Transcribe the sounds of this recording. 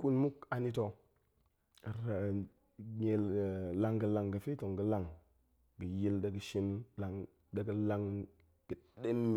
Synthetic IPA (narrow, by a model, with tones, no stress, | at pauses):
ku˦nmu˦ka˨ni˦to˨ | ɾa˨ | ɲe˨lla˦ŋɡə˨la˨ŋɡə˨fi˦to˨ŋɡə˨la˦ŋ | ɡə˨ji˦ldə˨ɡə˨ʃi˦nla˨ŋ | də˨ɡə˦la˦ŋ | ɡ̥ə˨de˦mːi˨